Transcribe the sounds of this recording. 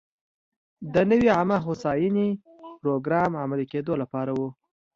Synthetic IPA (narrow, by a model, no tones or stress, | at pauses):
d̪ənəwiamaxosɑjini | pɾoɡɾɑmʕamaliked̪olapɑɾawu